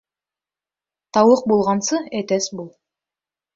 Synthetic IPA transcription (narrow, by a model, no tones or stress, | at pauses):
t̪ʰɑwəq̚bolˠʁɑnsəæt̪æsbulˠ